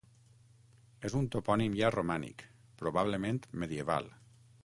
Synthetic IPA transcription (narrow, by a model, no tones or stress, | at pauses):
ezunt̪opɔnimjaromanḭk | pɾoβaβ̞lemẽnt̪meðjeβa̰lˠ